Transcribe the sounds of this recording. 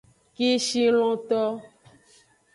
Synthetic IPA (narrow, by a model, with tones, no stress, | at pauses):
ki˦ʃi˦l̃ɔ̃˨t̪ɔ˦